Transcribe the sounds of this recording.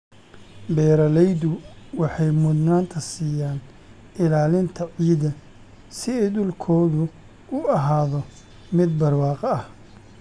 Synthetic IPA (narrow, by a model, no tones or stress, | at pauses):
bɛːɾɐlɛjd̪ʊwɑħɑjmʊd̪naːnt̪ʰɐsiːjaːn | ɪlaːlɪnt̪ʰɐʕiːðɐ | sɪɛjɗʊlkʰɔːðʊ | ʊɐɦaːðɔ | mɪd̪̚bɐrwɑːqɐɐh